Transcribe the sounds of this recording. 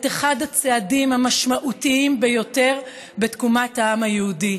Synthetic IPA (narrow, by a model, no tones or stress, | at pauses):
teχadhat͡seadimhamaʃmaʔutiimbe̞jo̞te̞ʁ | be̞tkumathaamajeudi